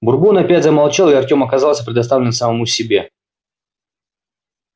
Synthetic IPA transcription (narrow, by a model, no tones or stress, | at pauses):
bʊrbunɐpʲætʲzəmalˠt͡ɕalˠɪɐrtʲo̞mɐkɐzɑlˠsʲəpɾʲɪd̪ɐst̪avlʲɪnmsəmɐmusʲɪbʲe̞